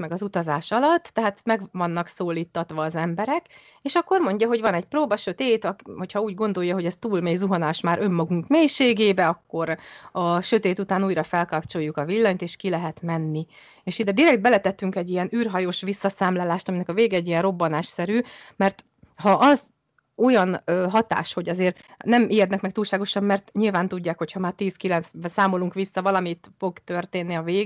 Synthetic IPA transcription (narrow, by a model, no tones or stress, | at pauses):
mɛɡɒzut̪ɒzaːʃɒlɒt̪ːɛɦaːt̪mɛɡvɒnːɒksoːliːt̪ːɒt̪ʋɒːzɛmbɛɾɛk | eːʃɒkːo̞rmo̞ɲɟɒɦo̞ɟvɒnɛɟproːbɒʃø̞t̪eːt̪ɒkho̞cʰhɒuːɟɡo̞n̪d̪o̞jːɒɦo̞ɟɛst̪uːlmeːjzuɦɒnaːʃmaːɾʔø̞mːɒɡuŋkmeːjʃeːɡeːbɛɒkːo̞ɾɒʃø̞t̪eːt̪ut̪aːnuːjɾɒfɛlkɒpt͡ʃo̞jːukɒvilːɒɲt̪eːʃkilɛɦɛt̪mɛnːi | eːʃid̪ɛd̪iɾɛɡt̪bɛlɛt̪ɛt̪ːyŋkɛɟːijɛnyːrɦɒjoːʃʋisːɒsaːmlaːlaːʃt̪ɒminɛkɒveːɡɛɛɟːijɛnro̞bːɒnaːʃsɛɾyːmɛrt̪ | hɒʔɒz | o̞jɒnɦɒt̪a̰ːʃho̞ɟɒzeːrnɛmijɛd̪nɛkmɛkt̪uːlʃaːɡo̞ʃɒmːɛrt̪ɲilvaːnt̪uɟːaːkho̞chɒmaːrt̪iːskilɛnt̪sbɛsaːmo̞luŋkʋisːɒvɒlɒmit̪fo̞ɡt̪ø̞rt̪eːnːiɒveːɡ